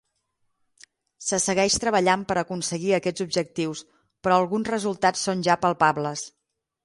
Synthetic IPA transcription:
səsəɣɛʃt̪ɾəβəʎampəɾəkunsəɣiəkɛzubʒək̚t̪iws | pɾɔəlˠɣunzrəzulˠt̪at͡sːonʲʒapəlˠpabləs

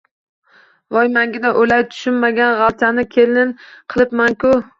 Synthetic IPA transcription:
vɒjmaŋɡʲɪnaʔolajt̪ʰʊ̥ʃʊnmaɡʲanʁɑlˠt͡ʃʰanɪkʲʰelnɪnqʰɨlˠɪpmankʰʊ

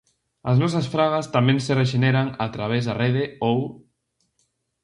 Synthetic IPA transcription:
aznɔs̬asfɾaɣast̪amensereʒeneɾaŋat̪ɾaβ̞ezðareðeow

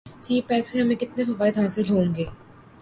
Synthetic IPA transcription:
siːpɛːkseɦɐmẽkɪt̪nefɐʋaːɪd̪ɦaːsɪlɦõːŋɡeː

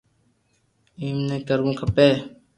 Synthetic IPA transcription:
iːmnẽːkəɾũːkʰəpeː

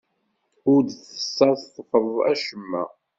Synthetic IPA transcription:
ʊɾd̪θə̥sːɑθθəfəvˤæ̰ʃəmːæ̰

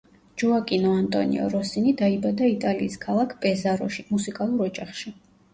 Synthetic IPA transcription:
d͡ʒuakʼinɔant̪ʼɔ̰nḭɔ̰ɾɔsinid̪aibad̪ait̪ʼalḭːskʰalˠakʰpʼɛzaɾɔʃimusikʼalˠuɾɔd͡ʒaχʃi

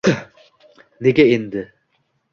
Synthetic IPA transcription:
neɡʲɛend̪ɪ

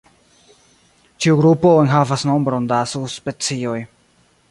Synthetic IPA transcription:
t͡ʃiuɡɾupo̞enɦavasno̞mbɾondasuspe̞t͡sio̞j

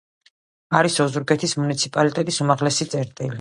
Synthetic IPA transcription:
aɾisɔzuɾɡɛt̪ʰismunit̪sʰipʼalit̪ʼɛt̪ʼisumaʁlɛsit̪sʼɛɾt̪ʼili

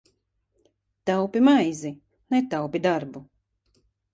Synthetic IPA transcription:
t̪awpimajzi | nɛt̪awpid̪aɾbu

